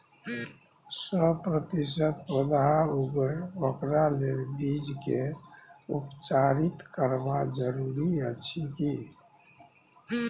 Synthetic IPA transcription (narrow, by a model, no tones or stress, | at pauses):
səpɾət̪is̬ət̪wəd̪ɦauɡəokɾalelbid͡ʒke | ṵpt͡ʃaɾit̪kəɾbad͡ʒəɾuɾiət͡ʃʰiki